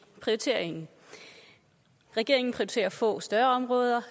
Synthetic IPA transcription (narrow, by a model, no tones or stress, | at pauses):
pʰʁiot͡sʰe̝ɐ̰eŋn̩ | ʁɛɡ̥e̝̰ɐ̰e̝ŋn̩pʰʁiot͡sʰe̝̰ːɐfɔ̰̽ːsd̥ɶɐɒ̽mʁɔ̽ːð̞ˠɐ